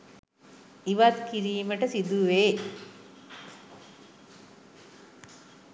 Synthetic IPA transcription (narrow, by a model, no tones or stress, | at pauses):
iʋat̪kiɾiːməʈəsid̪uʋeː